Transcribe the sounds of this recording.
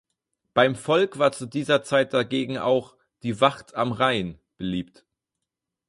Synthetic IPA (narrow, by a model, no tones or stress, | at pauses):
b̥aɪmfɔlkv̥aːɐt͡sudiːzɐt͡saɪt̚d̥aɡeːɡŋ̩ʔa̰ʊx | d̥iːvaχtamʁaɪn | b̥əliːpt